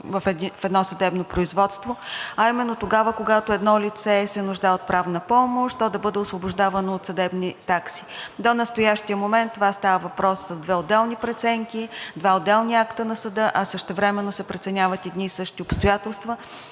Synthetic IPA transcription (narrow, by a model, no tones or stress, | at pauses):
vəffɛd̪nɔsɐd̪ɛbnopɾʊizvɔt̪st̪voɐimɛnːot̪oɡavəkoɡat̪oɛd̪nɔlit̪sɛsɛnʊʒd̪aɛot̪̚pɾʔavnəpɔmoʃt̪t̪ːɔd̪ɐbɤd̪ɛosvobʊʒd̪avɐnoːt̪sɐd̪ɛbnit̪aksi̥d̪onɐst̪ojaʃt̪ijəmomɛnt̪ːovast̪avəvɐpɾɔsːɐzd̪vɛod̪ːɛlˠnipɾɛt̪sɛŋkid̪vaod̪ːɛlˠniakt̪ənɐsɐd̪ɤʔɐsəʃt̪ɛvɾɛmɛnːosɛpɾɛt̪sɛnʲavət̪ɛd̪nisɤʃt̪iopst̪ojat̪ɛlˠst̪və